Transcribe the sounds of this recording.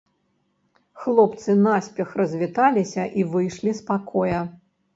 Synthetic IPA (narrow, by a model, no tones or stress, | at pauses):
xlˠɔpt̪sɨnasʲpʲɛxrɐzʲvʲit̪alʲisʲɐʔivɨjʂlʲispakʰɔjɐ